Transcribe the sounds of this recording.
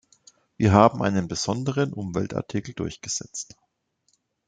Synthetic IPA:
viːɐɦaːbm̩ʔa̰ɪnənbəz̥ɔndəʁ̞ənʔʊmvɛ̰lta̰ɐtʰikl̩dʊɐçɡ̥əz̥ɛ̰t͡st

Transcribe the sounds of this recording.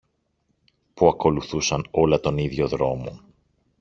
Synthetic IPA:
puɐko̞luθusɐno̞lɐt̪o̞niðʝo̞ðɾo̞mo̞̰

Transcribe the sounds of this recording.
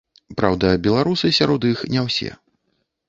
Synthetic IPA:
pɾawd̪ɐbʲɛlˠaɾusɨsʲaɾɔt̪ixnʲɛwsʲɛ̰

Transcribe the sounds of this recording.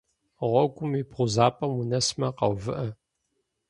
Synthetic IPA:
ʁʷɔɡʷʼʊmiːpʁʷʊzaːpʼɐmunɐsmɐqɐ̰wvɨʔɐ

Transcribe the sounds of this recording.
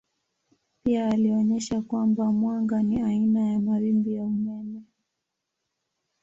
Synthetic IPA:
piaːliɔɲɛʃakwambamwaŋɡaniainajamawimbijaumɛmɛ

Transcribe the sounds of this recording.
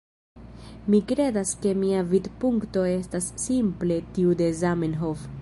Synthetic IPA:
mikɾe̞daske̞miavid̪puŋkto̞e̞stasːimple̞tiude̞zamenɦof

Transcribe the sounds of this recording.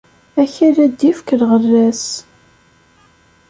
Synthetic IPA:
æçæɾæd̪ːifkəɾʁərːæs

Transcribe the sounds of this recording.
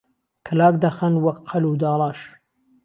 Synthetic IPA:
kʰəlaːk̚d̪ɐxɐnwɐkqʰɐlud̪ɑːlˠɑːʃ

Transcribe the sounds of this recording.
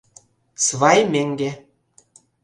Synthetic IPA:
sβɑjmʲeŋɡe

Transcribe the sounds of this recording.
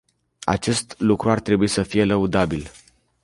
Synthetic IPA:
a̰t͡ʃe̞st̪lukɾuart̪ɾe̞buisəfije̞ləud̪abil

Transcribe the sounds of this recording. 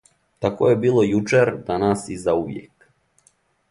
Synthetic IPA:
t̪ako̰jebiːlˠo̞jut͡ʃeɾd̪anasizauʋjḛk

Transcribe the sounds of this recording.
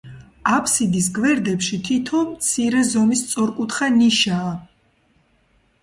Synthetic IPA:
apʰsid̪is̬ɡvɛɾd̪ɛpʃit̪ʰit̪ʰɔmt̪sʰiɾɛzɔmist̪sʼɔɾkʼut̪χaniʃaː

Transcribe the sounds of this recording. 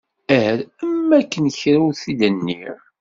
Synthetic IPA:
æhɾæmːækːənçɾæwθidənːḭɾ

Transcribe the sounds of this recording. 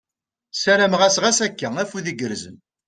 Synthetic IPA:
sæɾæmʁæsʁæsækːææfuðiɡəɾzə̰n

